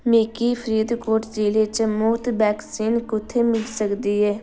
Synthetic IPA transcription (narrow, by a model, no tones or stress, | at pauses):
meːkiːpʰəɾiːd̪koːʈd͡ʒeːleːt͡ʃmʊːt̪bɛːksiːnkʊt̪ʰːeːmɪlsəkd̪iːɦɛː